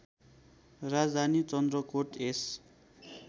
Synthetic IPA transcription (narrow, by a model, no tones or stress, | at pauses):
rad͡zd̪ʱanit͡sʌnd̪rʌkoʈes